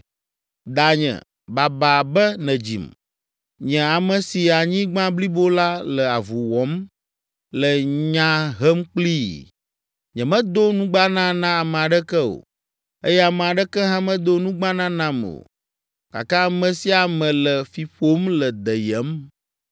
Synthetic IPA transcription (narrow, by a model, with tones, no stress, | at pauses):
d̪a˨ɲɛ̰̃˨ | ba˨ba˨bɛ˦nɛ̃˨d͡ʑḭ˨m | ɲɛ̃˨a˨mɛ̃˨si˨a˨ɲĩ˦ɡ͡bã˦bli˦bo˦la˦lɛ˨a˨vu˨wɔ˨˦m | lɛ˨ɲã˦ɦɛ˦mk͡pli˦ | ɲɛ̃˨mɛ̃˦d̪o˦nũ˦ɡ͡ba˦nã˦nã˦a˨mɛ̃˨a˨ɖɛ˦kɛ˦o̰˨ | e˦jɛ˦a˨mɛ˨a˨ɖɛ˦kɛ˦ɦã˦mɛ̃˦d̪o˦nũ˦ɡ͡bã˦nã˦nã˦mo̰˨ | ka̰˨kã˦a˦˨mɛ̃˨si˦a˨mɛ̃˨lɛ˨fi˨ɸo˦mlɛ˨d̪ɛ˨jɛ˨˦m